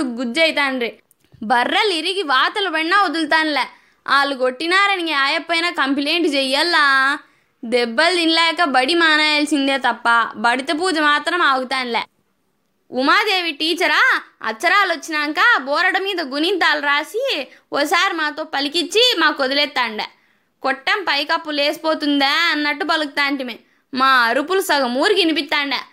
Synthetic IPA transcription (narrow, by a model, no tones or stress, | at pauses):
ɯkɡʊd͡ʒɐɪt̪ːaːnɾɯ | bɐɾːɐlɪɾɯɣiʋaːt̪ɐlpɐɳːaːɔðɯlt̪̬aːnɪlːɛ | ʔaːlɯɡɔʈːinaːɾɐniːŋɡɐaːjɐpːɐjnaːkɐmplɛjɳʈt͡ʃɛjːɐlːãː | d̪ɛbːɐld̪ɪnlɐjɐkːaːbɐɽimaːnaːjelsɪnd̪eːt̪ɐpːaːbɐɽɪt̪ːɐp̬uːd͡ʒɐmaːt̪ɾɐmaːɣɯt̪ːaːnɪlːɛ | umaːd̪eːʋiʈiːt͡ʃɐɾaːɐ̰t͡ʃːɐɾaːlʋɐt͡ʃːinɐŋkaːbɔːɾɐɽɐmiːd̪ɐɡunint̪aːlɐɾaːsiɔːsaːɾimaːt̪oːpɐlikit͡ʃːimaːkod̪ulɛːt̪ːaːɳɖɐ̰ | kɔʈːɐmpɐjkɐpːuleːsi̥poːt̪und̪eːɐnːɐʈːupɐluk̚t̪aːɳʈime | maːɐɾupulusɐɡɐmuːɾikinip̬it̪ːaːɳɖɐ